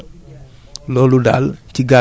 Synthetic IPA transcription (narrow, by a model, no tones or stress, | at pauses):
loluda̰ltiɡa